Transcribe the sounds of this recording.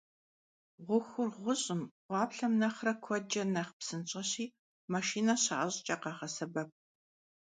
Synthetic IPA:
ʁʷʊxʷʊrʁʷʊɕʼɪmʁʷɑːpɬɐmnɐχrɐkʷʰɔd͡ʒɐnɐχpsɨnt͡ʃʼɐɕiː | mɐʃiːnɐɕa̰ʔaɕʼt͡ʃʼɐqɑːʁɐsɐbɐp̚

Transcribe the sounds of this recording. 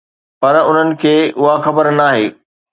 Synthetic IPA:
pɐɾʊn̤ənɪ̆kʰeːʊɦaxɐbəɾnaːɦeː

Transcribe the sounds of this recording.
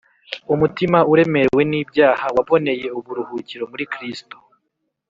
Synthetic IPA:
umutimauɾe̞me̞we̞niːbɟaːhawaβo̞ne̞je̞uβuɾuhuːciɾo̞muɾikɾisto

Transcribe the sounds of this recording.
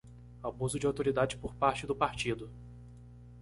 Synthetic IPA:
abuzʊd͡ʒɪawt̪oɾid̪ad͡ʒɪpoɾpaɾt͡ʃɪd̪ʊpaɾt͡ʃid̪ʊ

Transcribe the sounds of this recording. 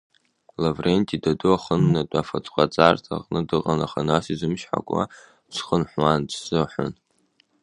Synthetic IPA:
lavrentʼidaduaχənːatʼafat͡sʼqʷʼat͡sʼartʰa̰qʼnɨdɨqʼanaχanasizɨmʃħa̰kʷʼwa̰ | t͡ʃʷʰχənħʷwandsɨħʷʊ̰n

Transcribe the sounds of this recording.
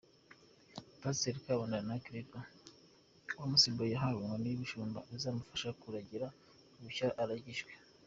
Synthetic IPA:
paseɾikaβandaanakɾiɡo | wamusimbojaɦaβoŋɡwaniβiʃuːmba̰izaːmufḁʃakuɾaɟiɾa | uβucaʔaɾaɟiʒwe̥

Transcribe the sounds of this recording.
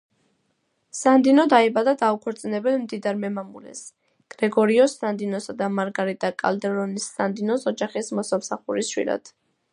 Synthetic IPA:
sand̪inɔd̪aibad̪ad̪aukʰɔɾt̪sʼinɛbɛlmd̪id̪aɾmɛmamṵlɛ̰s | ɡ̥ɾɛɡɔɾiɔsand̪inɔsad̪amaɾɡaɾid̪akʼa̰ld̪ɛɾɔnisːand̪inɔsɔd͡ʒaχismɔsamsaχuɾisʃwḭla̰d̪̥

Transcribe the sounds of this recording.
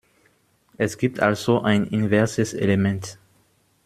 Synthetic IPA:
ʔɛsɡ̥iːp̚tʔalz̥oʔaɪnɪnvɛɐsəsḛlemɛnt

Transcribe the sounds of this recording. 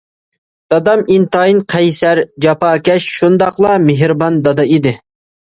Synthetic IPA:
d̪̥ɑd̪ɑmint̪ɑjinqʰɛjsæɾd͡ʒɑpɑːkʲɛʃʃund̪ɑqlˠɑmeɦɾbɑnd̪ɑd̪ɑid̪ɪ

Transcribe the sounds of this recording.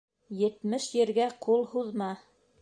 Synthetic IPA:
jɘ̆t̪mɘʃjɘ̆ɾɡæqulˠhuðmɑ

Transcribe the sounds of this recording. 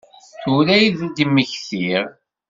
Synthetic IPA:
θulæjðd̪əmːəçθiɾ

